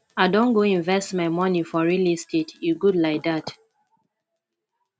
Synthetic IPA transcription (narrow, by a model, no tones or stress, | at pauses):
aɪdõnɡoĩɱvɛstmaɪmɔnifɔɹilistitjuɡudlaɪk̚dat